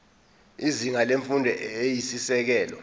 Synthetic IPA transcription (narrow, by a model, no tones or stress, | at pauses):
iziŋaleɱfundʱɛejisisɛk̬ɛːlɔ